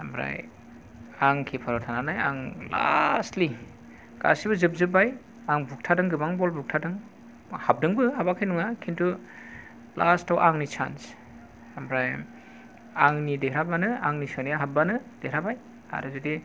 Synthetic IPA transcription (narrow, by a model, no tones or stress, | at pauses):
ambɾa̰j | aŋkʰepʰaɾɔtʰananaja̰ŋla̰stli | ɡ̥a̰sibɯzɯp̚zɯbaj | aŋbuk̚tʰadɯŋɡɯbaŋbɔlbuk̚tʰadɯŋ | hap̚dɯŋbɯɦabakʰajnuŋakʰintʰu | lastawʔaŋnit͡ʃʰa̰ns | ambɾaj | aŋnideɾabanɯaŋnisɯnijaɦabanɯd̥eɾabaj | a̰ɾɯzɯdi